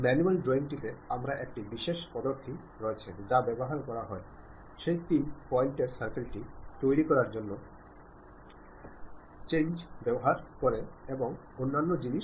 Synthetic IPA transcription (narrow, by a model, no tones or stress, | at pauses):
mɛnualɖɾoiŋʈit̪eamɾaʔek̚ʈibiʃeʃpɔd̪oɾt̪ʰi | ɾɔet͡ɕʰed͡ʑabɛboɦaɾkɔɾaɦɔe | ʃejt̪inpɔiɳʈeɾsaɾkilʈit̪ojɾikɔɾaɾd͡ʑonːo | t͡ɕẽnd͡ʑbɛboɦaɾkoɾeeboŋ | onːanːod͡ʑiniʃ